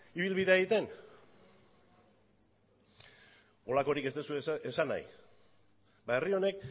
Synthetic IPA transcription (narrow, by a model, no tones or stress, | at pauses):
iβ̞ilβiðe̞aeɣit̪e̞n | o̞lako̞ɾike̞st̪e̞sueesana̰j | bae̞rio̞ne̞k̚